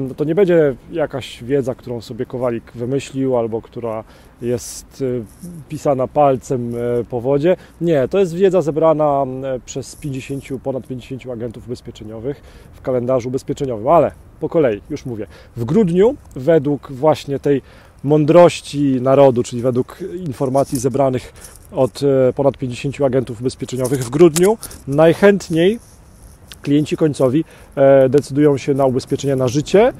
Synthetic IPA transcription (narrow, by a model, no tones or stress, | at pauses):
t̪ɔɲɛbɛɲd͡ʑɛjakaɕvʲjɛd̪zak̚t̪uɾɔ̃w̃sɔbʲjɛkɔvalʲikvɘmɘɕlʲiwalbɔkt̪uɾa | jɛst̪pʲisanapalt̪sɛmpɔvɔd͡ʑɛ | ɲɛt̪ɔjɛst̪vʲjɛd̪zazɛbɾanapʂɛspʲjeɲd͡ʑeɕeɲt͡ɕupɔnat̪̚pʲjẽɲd͡ʑeɕeɲt͡ɕuaɡɛnt̪ufubɛspʲjɛt͡ʂɛɲɔvɘxfkalɛnd̪aʐuːbɛspʲjɛt͡ʂɛɲɔvɘmalɛ | pɔkɔlɛjijuʂmuvʲjɛ | vɡɾud̪ɲuvɛd̪wukvwaɕɲɛt̪ɛj | mɔnd̪ɾɔɕt͡ɕinaɾɔd̪ut͡ʂɘlʲivɛd̪wukinfɔɾmat̪sʲizɛbɾanɘx | ɔt̪pɔnat̪pʲjẽɲd͡ʑeɕeɲt͡ɕuaɡɛnt̪ufubɛspʲjɛt͡ʂɛɲɔvɘɣvɡɾud̪ɲunajxɛnt̪ɲej | klʲijɛɲt͡ɕikɔɲʲt̪sɔvʲi | d̪ɛt̪sɘd̪ujɔ̃w̃ɕɛnaubɛspʲjɛt͡ʂɛɲɛnaʐɘt͡ɕɛ